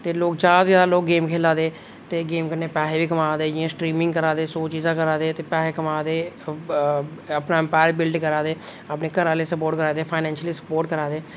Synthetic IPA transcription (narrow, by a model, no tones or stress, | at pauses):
t̪eːloːk̚d͡ʒaːd̪d͡ʒaːloːk̚ɡeːmkʰeːlaːd̪eː | t̪eːɡeːmkəɾneːpɛːɦeːʋiːkəmaːd̪eːd͡ʒɪãːsʈɾiːmɪ̃ŋɡkəɾãːd̪eːsoːt͡ʃiːzãːkəɾaːd̪eːt̪eːpɛːeːkəmaːd̪eː | əpnaːɛ̃mpaːjəɾbɪlɖkəɾaːd̪eː | apneːkəɾaːleːsəpoːɾʈkəɾaːd̪eːpʰaːɪnɛ̃ːnʃəliːsə̥poːɾʈkəɾaːd̪eː